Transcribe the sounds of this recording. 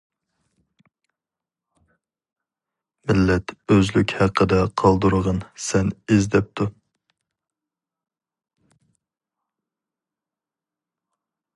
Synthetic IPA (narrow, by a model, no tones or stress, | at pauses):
mɪlːɛt̪øzlykʲhæqʰːəd̪ɛqʰɑlˠd̪uɾəʁənsɛnezd̪ɛp̚t̪ʰu